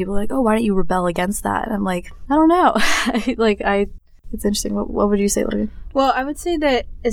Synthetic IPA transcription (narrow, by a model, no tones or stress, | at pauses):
ipl̩ˠlaɪkoʊwaɪɾõnt͡ʃɨɹɨbɛlˠəɡɛ̃nst̪̚ðæ̰tnãɪ̃mlaɪkaɪɾõʊ̃nːoʊaɪlaɪkaɪ | ɨtsɪ̃nt͡ʃɹ̥stɪ̃ŋwʌ̰twʌ̰t̚wədd͡ʒɨseɪlʌ̰kɨ̃ŋwɛlˠaɪwɨd̥seɪðɨɾɨz